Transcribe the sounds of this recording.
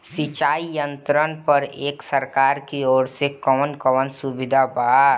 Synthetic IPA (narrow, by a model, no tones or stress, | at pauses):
sɪt͡ʃaːijə̃nt̪ɾənpəɾeːksəɾkaːɾkioːɾsekɔːnkɔʋənsubɪd̪ʱabaː